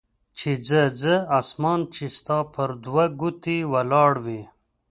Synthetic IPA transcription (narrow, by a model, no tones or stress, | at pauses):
t͡ʃid͡zəd͡zəasmɑːnt͡ʃist̪ɑːpʰəɾd̪waɡut̪iwalɑːɽwi